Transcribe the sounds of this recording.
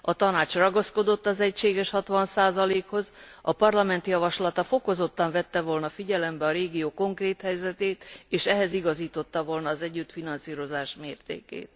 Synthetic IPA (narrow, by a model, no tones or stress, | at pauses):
ɒt̪ɒnaːt͡ʃrɒɡɒsko̞d̪o̞t̪ːɒzɛcʃeːɡɛʃhɒt̪ʋɒnsaːzɒleːkho̞z | ɒpɒrlɒmɛnt̪ijɒvɒʃlɒt̪ɒfo̞ko̞zo̞t̪ːɒɱvɛt̪ːɛvo̞lnɒfiɟɛlɛmbɛɒɾeːɡijoːko̞ŋkreːt̪hɛjzɛt̪eːt̪eːʃɛɦɛziɡɒziːt̪o̞t̪ːɒvo̞lnɒːzɛɟːyt̪finɒnsiːɾo̞zaːʃmeːrt̪ḛːkḛːt̪̚